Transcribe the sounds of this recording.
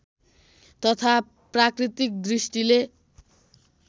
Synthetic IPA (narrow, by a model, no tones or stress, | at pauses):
t̪ʌt̪ʰa | prakrit̪ik̚d̪risʈile